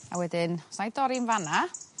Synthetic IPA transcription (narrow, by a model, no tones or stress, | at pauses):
awɛdɪnsnajdɔɾinvana